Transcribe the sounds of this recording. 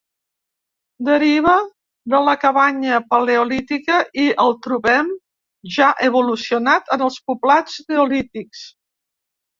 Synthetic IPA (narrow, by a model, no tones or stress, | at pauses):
d̪əɾiβ̞ə | ðələkəβaɲəpəleulit̪ikəʔiəlˠt̪ɾuβɛm | ʒaʔəβulusiunat̪ənəlˠspuplad͡zneulit̪iks